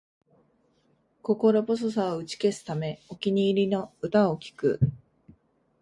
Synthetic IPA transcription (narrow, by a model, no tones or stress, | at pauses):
ko̞ko̞ɾo̞bos̬os̬aoɯ̟t͡ɕi̥ke̞sɨ̥t̪ame̞okʲiɲ̟iːɾʲino̞ɯ̟t̪aokʲi̥kɯ̟̰